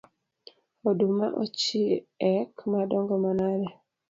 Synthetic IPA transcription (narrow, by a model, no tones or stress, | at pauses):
oduma̰ʔɔ̰t͡ʃiɛkmadɔŋɡɔmanaɾɛ